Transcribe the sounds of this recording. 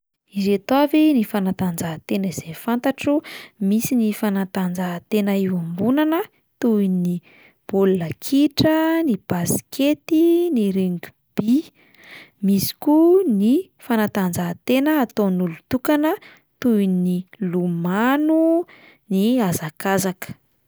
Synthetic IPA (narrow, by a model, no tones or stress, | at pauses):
izet̪oavinifanat̪and͡zaɦt̪enəizefant̪aʈ͡ʂumisinifanat̪and͡zaɦt̪enəiwambunanə | t̪uini | b̥ollakʰiʈ͡ʂənib̥askʰet̪iniɾeŋɡʲu | b̥i | misi̥kuni | fanat̪and͡zaɦt̪enəːt̪onulut̪ukanə | t̪ujnilumanu | niazakazakə̥